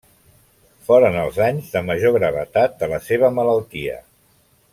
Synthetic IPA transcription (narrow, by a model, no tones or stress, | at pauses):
fɔɾənəlˠzaɲzðəməʒoɣɾəβ̞ə̰t̪at̪̚d̪ələseβ̞əmələlˠt̪iə̰